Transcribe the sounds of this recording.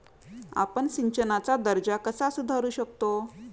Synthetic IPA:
a̰pəɳsiɲt͡ɕənat͡sad̪əɾd͡ʑakəsasud̪ʱaɾuːɕək̚t̪o

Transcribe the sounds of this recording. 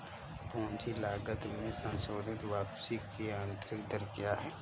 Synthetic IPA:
poɦnd͡ʒilaːɡət̪mẽsə̃nsoːd̪ʱɪt̪ʋaːpsɪkiãːnt̪ɾɪk̚d̪əɾkjaɦɛː

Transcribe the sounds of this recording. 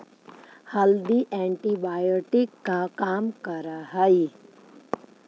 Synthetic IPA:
hɐld̪iʔɛ̃ːɳʈibaːjoːʈɪkːakaːmkɐɾaɦai

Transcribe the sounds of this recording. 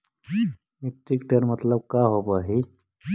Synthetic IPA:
miʈikʈ̪əɾmət̪ləb̚kaɦopaːɦi

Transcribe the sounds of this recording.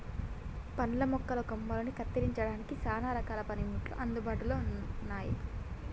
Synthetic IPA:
pɐnlɐmɔkːɐlɐkomːɐlɐnikɐt̪ːiɾiɲt͡ʃɐɽaːnikisaːnaːɾɐkaːlɐpɐnimuʈlṵʔɐnd̪ubaːʈuloːnnːaːjḭ

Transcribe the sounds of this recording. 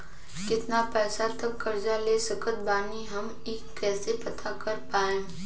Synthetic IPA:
kɪt̪napɛːsat̪ɐkːɐɾd͡ʒaleːsɐkət̪̚baːniɦɐm | eːkːɛːsepɐt̪ʰakɐɾpaːẽː

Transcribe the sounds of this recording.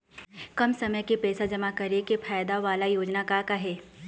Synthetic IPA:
kɐmsɐməjkepɛːsad͡ʒɐmakɐɾekepʰaːjd̪aʋaːlajoːd͡ʒnakakaɦɛː

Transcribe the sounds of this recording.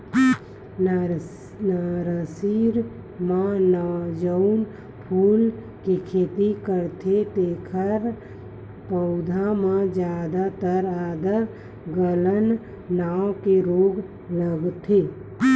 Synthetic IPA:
naɾəsiːɾ | mãnad͡ʒəʊn | pʰuːl | kikʰeːt̪ikəɾt̪ʰet̪ekʰəɾ | pəʊd̪ʱãmãd͡ʒjaːd̪at̪əɾaːd̪ə | ɡələnː | aːwkeɾoːɡ | ləɡt̪ʰe

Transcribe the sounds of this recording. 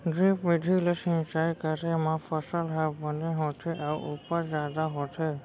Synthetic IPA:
ɖɾipʋɪd̪ʱilesĩt͡ʃajkəɾemãfʰəsəlɦɛbbəneɦɔt̪ʰeʔaʔupəɾd͡ʒad̪aɦɔt̪ʰe

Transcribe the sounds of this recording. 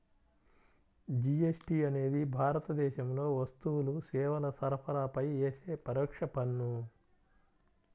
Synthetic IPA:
d͡ʒiesʈiːɐne̞ːd̪ibʱaːɾɐt̪ɐd̪ɛːʃɐmlo̞ːʋɐst̪uwulusɛːʋɐlɐsɐɾpʰɐɾaːpɐjeːseːpɐɾɔːkʂɐpɐnːu

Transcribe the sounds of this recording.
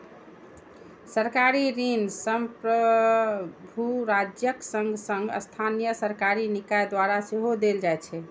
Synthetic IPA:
səɾkaɾiɾinsəmpɾə | bʱuɾad͡ʒjəksəŋɡsə̃ŋɡə̰st̪ʰanijəsəɾkaɾinikajd̪waɾaseɦod̪eld͡ʒajt͡ʃʰɛ

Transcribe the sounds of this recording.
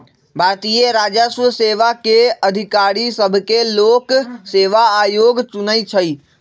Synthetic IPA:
bat̪ijeɾad͡ʒəsʋseʋakeəd̪ʱikaɾisəbʱkelokseʋaːjoɡt͡ʃunəjt͡ʃʰəj

